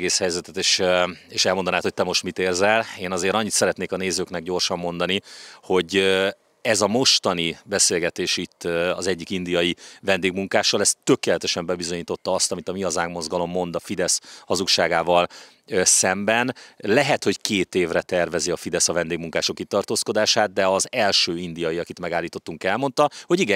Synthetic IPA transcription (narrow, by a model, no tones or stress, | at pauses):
ɡeːshɛjzɛt̪ɛt̪eːʃeːʃɛlmond̪ɒnaːt̪hot̪ɛmo̞ʃt̪mit̪eːrzɛleːnɒzeːɾɒɲːit̪sɛɾɛt̪neːkɒneːzøːknɛɡ̚ɟo̞rʃɒmːo̞n̪d̪ɒniho̞ɟ | ɛzɒmo̞ʃt̪ɒnibɛseːlɡɛt̪eːʃit̪ːɒ̰zɛɟːikind̪ijɒjivɛnd̪eːɡmuŋkaːʃːɒlɛst̪ːø̞keːlɛt̪ɛʃɛmbɛbizo̞ɲiːt̪o̞t̪ːɒɒst̪ɒmit̪ɒmiɒzaːɡmo̞zɡɒlo̞mːo̞nd̪ɒfid̪ɛshɒzukʃaːɡaːvɒl | sɛmbɛnlɛɦɛt̪ho̞ckeːt̪eːvrɛt̪ɛrvɛziɒfid̪ɛsɒvɛnd̪eːɡmuŋkaːʃokːit̪ːɒrt̪oːsko̞d̪aːʃaːd̪̚d̪ɛɒzɛlʃøːind̪ijɒjiɒkit̪mɛɡaːlːiːt̪o̞t̪ːuŋkɛlmo̞nt̪ɒho̞ɟiɡɛ